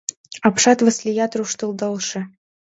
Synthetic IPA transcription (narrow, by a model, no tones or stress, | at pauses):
ɑpʃɑt̪və̆slʲɪjɑt̪ruʂt̪ɤ̆lˠd̪ɤlˠʃɘ̆